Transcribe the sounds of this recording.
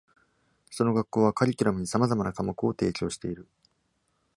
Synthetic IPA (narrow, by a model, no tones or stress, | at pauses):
so̞no̞ɡakːo̞ːβakaɾʲikʲiɾamɯ̟ɲ̟isamazamanakamokɯ̟o̞t̪e̞ːkʲo̞ːɕi̥t̪e̞iɾɯ̟